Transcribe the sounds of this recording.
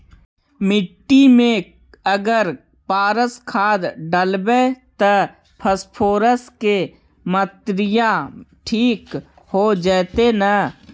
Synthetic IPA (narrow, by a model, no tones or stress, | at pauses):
mɪʈːimẽ | əɡəɾ | paːɾəskʰaːd̪ɖəlbet̪ə | pʰəspʰoːɾəske | mət̪ɾɪjaʈʰiːk | hod͡ʒɛːt̪enə